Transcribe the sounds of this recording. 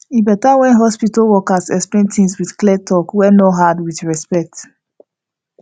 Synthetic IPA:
ibɛtawɛ̃nɦɔspitalwɔkasɛksplẽntĩŋswiθklɛtʰːɔkwɛnoɦadwiθɹɛspɛk̚t

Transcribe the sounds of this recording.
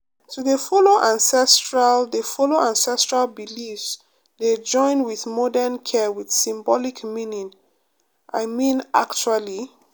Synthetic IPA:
tuðəfɔloʔãnsɛstɹaldəfɔloʔãnsɛstɹalbilifs | ded͡ʒɔ̃ɪ̃nwiðmɔdɛnkʰɛwið̥sĩmbɔlikmĩnĩŋ | ʔa̰ɪmĩnʔa̰kt͡ʃuali

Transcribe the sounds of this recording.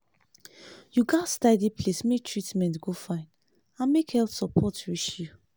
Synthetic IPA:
juɡastadipʰlesmetʰɹitmɛ̃ntɡofãɪ̃n | ãnmekhɛlfsɔpʰɔtɹiʃju

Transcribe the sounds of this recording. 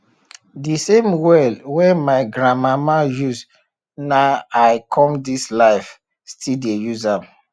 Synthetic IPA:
disẽmwɛdwɛmaɪɡɹãmamajuz | naaɪkʰɔ̃mdislaɪf | stʰidejuzãm

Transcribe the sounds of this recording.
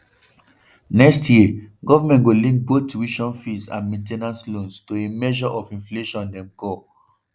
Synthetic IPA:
nɛkstʰjiɡɔvamɛ̃ntɡolĩŋk̚botwiʃɔ̃nfisã̰nmẽntɛnãnslõnstoemɛʒɔʔɔfĩnfleʃɔ̃ndɛ̃mkɔ

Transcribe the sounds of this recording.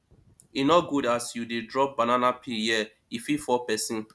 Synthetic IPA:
inɔɡudasjudidɹɔp̚bananapʰijɛ | ififɔpɛsĩn

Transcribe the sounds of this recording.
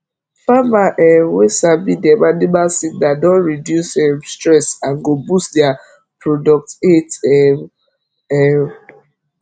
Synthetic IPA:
famaʔɛwesabidamanibalsit̚dadɔ̃nɹidjusɛmstɹɛsãnɡobustdɛa | pɹɔdɔk̚tetɛ | ɛ

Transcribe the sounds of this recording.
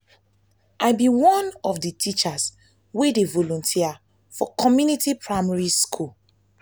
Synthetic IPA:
ʔaɪbiwɔ̃nɔfditʰit͡ʃas | wedevɔlɔ̃ntʰia | fɔkɔmjunitipʰɹaɪmaɹiskʰul

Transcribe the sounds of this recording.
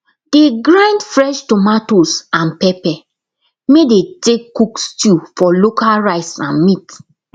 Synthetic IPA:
d̥eɡɹãndfɹɛʃtɔmatosãnpɛpɛ | medetekːukstufɔlokalɹaɪsã̰nmit

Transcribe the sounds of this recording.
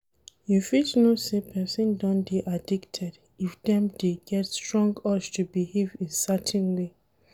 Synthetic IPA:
jufitnosepʰɛsɔ̃ndɔ̃nb̥iʔadiktʰɛd | ifdɛ̃mdeɡɛtstɹɔ̃ŋɡɔʃtʰubihevĩnsatʰĩnwe

